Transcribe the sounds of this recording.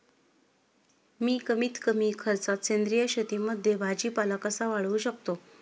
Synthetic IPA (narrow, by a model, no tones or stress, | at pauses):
miːkəmiːt̪kəmiːkʰəɾt͡sat̪̚t͡ɕend̪ɾijəɕət̪iːməd̪ʱːjebʱad͡ʑiːpalakəsaʋaɭ̤ʋuːɕəkt̪o